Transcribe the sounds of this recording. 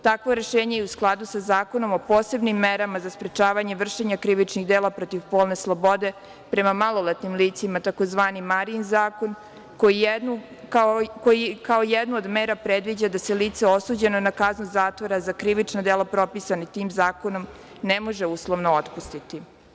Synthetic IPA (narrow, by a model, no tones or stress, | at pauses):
t̪akʋo̞ɾe̞ʃeːɲejeusklˠad̪usazaːko̞no̞mo̞po̞ːse̞bnimːeɾamazaspɾe̞t͡ʃaːʋaɲe̞ʋr̩ʃeɲakɾiʋit͡ʃniɣd̪eːlapɾo̞t̪iʋpo̞ːlne̞slˠo̞bo̞d̪e̞ | pɾe̞mamalˠo̞let̪nimliːt̪simat̪ako̞zʋaːnimaɾinzaːko̞n | kojinu | akojikaojed̪nuod̪meːɾapɾed̪ʋid͡ʑad̪ase̞liːt̪seo̞suːd͡ʑe̞nonakaznuzaːt̪ʋoɾazakɾiʋit͡ʃnad̪eːlˠapɾo̞pisanit̪iːmzaːko̞no̞m | nemo̞ʒe̞uːslˠoʋno̞ot̪pust̪it̪i